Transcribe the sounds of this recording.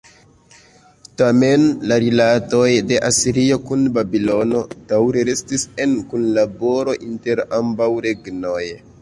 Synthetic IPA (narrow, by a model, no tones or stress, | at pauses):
tame̞nlaɾilato̞jde̞ʔasiɾio̞kunbabilo̞no̞d̥awɾe̞ɾe̞stise̞nkunlabo̞ɾo̞ʔinte̞ɾambawɾe̞ɡno̞j